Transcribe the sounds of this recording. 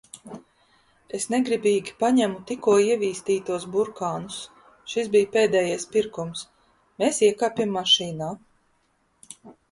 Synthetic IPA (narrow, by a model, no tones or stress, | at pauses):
esnɛɡɾibʲiːɡʲipaɲæmut̪ikuɔiɛvʲiːst̪iːt̪uɔs̬buɾkaːnus | ʃis̬bijpeːd̪ɛːjajspiɾkums | meːsiɛkaːpʲimːaʃiːnaː